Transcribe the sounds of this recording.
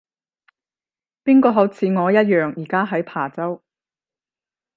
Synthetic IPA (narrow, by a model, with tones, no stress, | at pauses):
piː˥nkɔː˧ɦɐ˨˥wt͡sʰiː˨˧ŋɔː˨˧jɐ˥t̚jœː˨ŋjiː˨˩kaː˥ɦɐ˨˥jpʰaː˨˩t͡sɐ˥w